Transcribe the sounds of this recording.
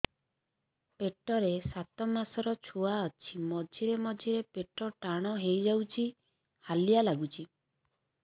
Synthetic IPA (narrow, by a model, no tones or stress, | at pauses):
peʈɔɾesat̪ɔmasɔɾɔt͡ʃʰuaɔt͡ʃʰimɔd͡ʒʱiɾemɔd͡ʒʱiɾepeʈɔʈaɽ̃ɔɦejd͡ʒawt͡ʃʰi | halijalaɡut͡ʃʰi